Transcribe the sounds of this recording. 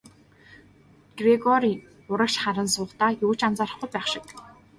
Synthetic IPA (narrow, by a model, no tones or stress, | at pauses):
ɡ̥reɡɔɾi | ʊɾə̆kʃχaɾə̆nsʊːχt̪aːjʊːt͡ɕant͡saɾə̆χɡujpæːχʃɪ̥̆k